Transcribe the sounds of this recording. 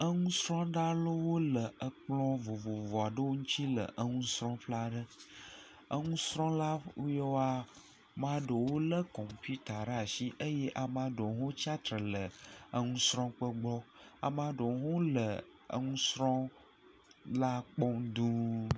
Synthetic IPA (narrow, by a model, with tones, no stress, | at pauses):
ə˦ŋũ˦sɾɔ̃˦ɖa˦lo˦wo˦lə˨ə˨k͡plɔ̃˦vo˨vo˨vɔ˨a˨ɖə˦wo˦ŋũ˦t͡ɕi˦lə̰˨ʔə˦ŋũ˦sɾɔ̃˦ɸla˦ɖə˦ | ə˦ŋũ˦sɾɔ̃˦la˦je˦wa˦ | mã˦ɖə˨wo˦lə˦kɔ˨m˨pi˦t̪a˨ɖa˨ʃi˦ʔə˦je˦ʔa˨mã˦ɖo˨ɦõ˦t͡ɕa˦t̪ɾə˨lə˨ə˦ŋũ˦sɾɔ̃˦k͡pə˦ɡ͡blɔ˦a̰˨mã˦ɖo˨ɦo˦lə˨ | ə̰˦ŋũ˦sɾɔ̃˦ | la˦k͡pɔ˦md̪ũ˦